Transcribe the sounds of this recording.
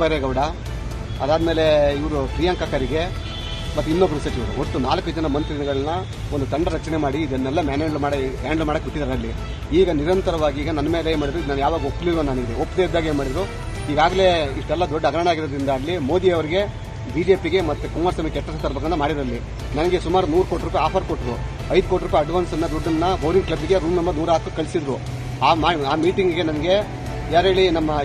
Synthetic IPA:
ɐɾeɡɐʋɽɐ | ɐd̪aːd̪ɐme̞ːle̞iʋɐɾupɾiːjɐŋkɐkɐɾiɡe̞ | mɐt̪ːuinːobːɐɾusɐt͡ʃiʋɐɾṵoʈːunaːlɐkud͡ʒɐnɐmɐnt̪ɾinɐɡɐɭɐnːɐ | ond̪ut̪ɐɳɖɐɾɐt͡ʃɐnemaːɽiːd̪ɐnːɐlːɐmaːneɳɖlumaːɽaːɳɖlmaːɽɐkːuʈːid̪aɾɐlːi | iːɡɐniɾɐnt̪ɐɾɐʋaːɡiiːɡɐnɐnːɐmeːleeːmaːɽid̪ɾuid̪naːnjaːʋaːɡɐopːliɾʋunːaːniɡd̪eopːd̪ed̪ːaːɡeːnmaːɽid̪ɾu | iːɡaːɡɐle̞iʂʈɛlːɐd̪ɔɖːɐɡɾɐɳaːɡiɾɐd̪ɾind̪ɐɐlːimoːd̪iɐʋɐɾiɡe̞ | biːd͡ʒeːpiɡe̞mɐt̪ːukuŋɡaɾsɐmekːɛʈːɐsɐnd̪ɐɾbʱɐɣɐnːɐmaːɽid̪ɾɐlːi | nɐnɐɡe̞sumaːɾunuːɾukoːʈiɾuːp̬ajaːpʰɐɾkoʈːɾu | ɐjd̪ukoːʈiɾuːp̬ːajɐɖʋaːnsɐnːɐd̪ɔɖːɐnːɐbɐwɾiŋklɐbiɡe̞ɾuːmnɐmbɐɾnuːɾaːt̪ɐkɐɭisid̪ɾu | aːaːaːmiːʈiŋɡɡe̞nɐnɐɡe̞ | aɾeːɭinɐmːɐ

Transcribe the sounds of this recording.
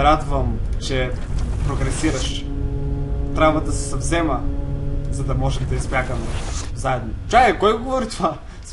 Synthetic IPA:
ɾad̪vəmt͡ʃɛpɾoɡɾɛsiɾɐʃ | t̪ɾʲabvɐd̪ɐsɛ̥sɐvzɛmə | zɐd̪ɐmɔʒɛd̪ɐispjʲakəmɛzaɛd̪not͡ʃakɛkɔjɡovɔɾit̪ova | s

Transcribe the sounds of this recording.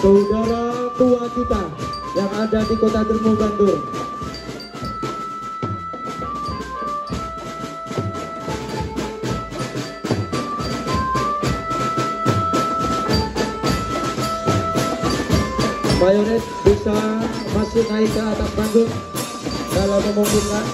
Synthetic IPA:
t̪udɔɾɔt̪uwad͡ʒipan | jaŋadadikot̪adərmuband̪ʊr | majoɾɛt̪̚bisa | masɪhmaikaːt̪ak̚band͡ʒʊk̚ | dalamːəmumpukan

